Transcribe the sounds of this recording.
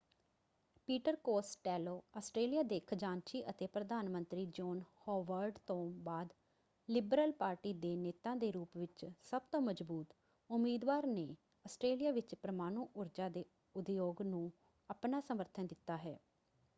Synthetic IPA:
piːʈəɾkoːsʈɛːloːaːsʈɾeːlijaːd̪eːkʰd͡ʒãːnt͡ʃiːʔət̪eːpɾəd̪aːnmənt̪ɾiːd͡ʒɔːnhɔːʋəɾɖt̪õːbaːd̪ | lɪbɾəlpaːɾʈiːd̪eːneːt̪ãːd̪eːɾuːpʋɪt͡ʃsəb̚t̪õːməd͡ʒbuːt̪ | ʊmiːd̪ʋaːɾneː | əsʈɾeːlijaːʋɪt͡ʃpɾəmaːnuːʔʊɾd͡ʒaːd̪eː | ʊd̪joːɡnũː | əpnaːsəməɾt̪ʰənd̪ɪt̪ːaːɦɛː

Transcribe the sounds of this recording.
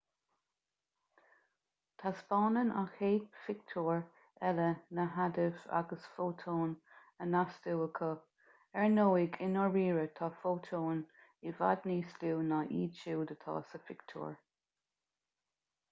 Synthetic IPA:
t̪ʰasb̥ɑːnəna̰xeːdfɪk̚t̪ʰuːɹ | ɛlənəɦad̪ɪva̰ɡəsfoːt̪ʰoːn | ənasd̪uwəkʰə | ɛɹnoːɪɡɪnɔɹɹiːɹət̪ʰɑːfoːt̪ʰoːn | ɪva̰d̪niːsluːnaʔiːt͡ʃuːd̪ət̪ʰɑ̰ːsəfɪkt̪ʰṵːɹ

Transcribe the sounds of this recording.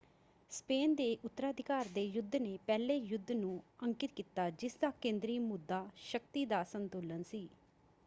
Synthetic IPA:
speːnd̪eːʔʊt̪ːəɾaːd̪ʱɪkaːɾd̪eːjʊd̪ʱːneːpɛːleːjʊd̪ʱːnũːəŋkɪt̪̚kiːt̪aːd͡ʒɪsd̪aːkẽːnd̪ɾiːmʊd̪ːaːʃək̚t̪iːd̪aːsənt̪uːlənsiː

